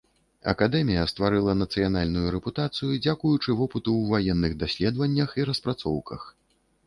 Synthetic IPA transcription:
ɐ̰kad̪ɛmʲijɐst̪vaɾɨlˠɐnɐt̪sɨjanalʲnujuɾɛput̪at̪sɨjud͡zʲakujut͡ʂɨvɔpɨt̪uwvajɛnːɨɣd̪asʲlʲɛd̪vɐnʲːɐxiɾɐspɾat̪sɔwkɐ̰x

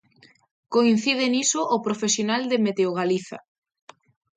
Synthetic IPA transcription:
koin̟θið̞enisoʔopɾofesjonald̪emet̪eoɣ̞aliθa̰

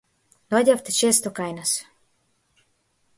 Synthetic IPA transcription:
nɔɟʲaft̪ɛt͡ʃest̪ɔkajnas

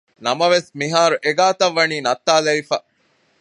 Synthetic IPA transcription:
nɐmɐʋesmiɦaːɾuʔeɡaːt̪ɐʋːɐniːnɐt̪ːaːlɐʋifa

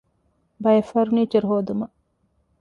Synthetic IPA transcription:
bɐjɐfɐɾuniːt͡ʃiɾuɦoːd̪umɐ

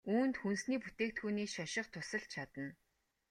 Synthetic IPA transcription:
uːnt̪xunsniːput̪eːk̚t̪xuːniːʃaʃɪ̆χqt̪ʰʊsə̆ɮt͡ɕʰat̪ə̆n

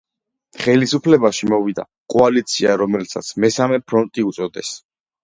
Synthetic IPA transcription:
χɛlisupʰlɛbaʃimɔvid̪a̰ | kʼɔalit̪sʰiaɾɔmɛlsa̰t̪sʰmɛsamɛpʰɾɔnt̪ʼiut̪sʼɔd̪ɛ̰s

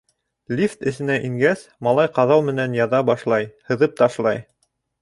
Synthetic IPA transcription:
lʲift̪ɘ̆sɘ̆næʔiŋɡæsmɑlˠɑjqɑðɑw̪ˠmɘ̆nænjɑðɑbɑʃlˠɑjhɤ̆ðɤp̚t̪ɑʃlˠɑj

